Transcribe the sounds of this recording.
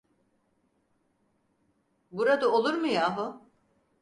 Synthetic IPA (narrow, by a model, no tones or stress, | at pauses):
buɾad̪aolˠuɾmɯjaːɦu